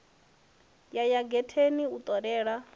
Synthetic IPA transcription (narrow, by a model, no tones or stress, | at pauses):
jajaɡɛtʰeniut̪ʼɔɾɛːɺa